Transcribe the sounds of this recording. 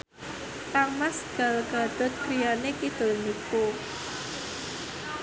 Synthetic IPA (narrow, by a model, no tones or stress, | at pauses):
t̪aŋmasɡ̥a̤lɡ̥a̤d̪̥ɔ̤t̪̚kɾijanekid̪̥o̤lniku